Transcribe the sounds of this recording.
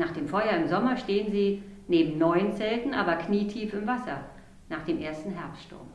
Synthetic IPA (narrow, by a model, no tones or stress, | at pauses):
naːχd̥eːmfɔʏɐɪmzɔmɐʃteːənziːneːbm̩nɔʏənt͡sɛltn̩ʔa̰ːbɐkniːtʰiːfɪmvasɐ | naːχd̥eːmʔeːɐstn̩ɦɛɐpstʃtʊ̰ɐm